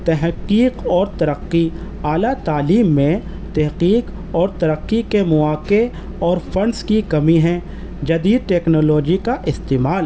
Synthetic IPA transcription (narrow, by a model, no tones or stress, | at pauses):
t̪ɛɦqːiːqɔːɾt̪ɐɾəqːi | aːlat̪aːliːmːẽ | t̪ɛɦqiːq | ɔːɾt̪ɐɾəqːikemʊaːke | ɔːɾfʰɐ̃nskikɐmiɦɛ̃ | d͡ʒɐd̪iːd̪̚ʈɛːknoːloːd͡ʒikaʔɪst̪eːmaːl